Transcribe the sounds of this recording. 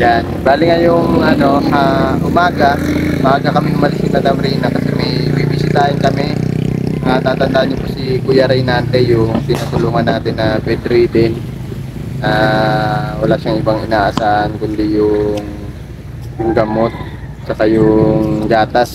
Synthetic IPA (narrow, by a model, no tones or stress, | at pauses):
janbaːlɪŋɐjʊŋɐno̞haʔʊmaːɡamaːɡɐkɐmɪhʊmɐlɪsɪt̪ɐd̪ɐmɾiːnɐkɐsɛmɐjbibɪsɪt̪aːʔɪnkɐmɛɐŋat̪aːt̪ɐnd̪aʔɲʊpʊsikʊjɐɾɐjnaːnt̪ɛjʊŋt̪ɪnat̪ʊluːŋɐnːaːt̪ɪnːɐbɛd̪ɾid̪ɛn | a | wɐlaːʃaŋɪbaŋɪnaːʔɐsaːʔankʊnd̪ɪjʊŋ | jʊŋɡɐmo̞t̪̚ | t͡ʃɐkajʊŋɡ̪aːt̪as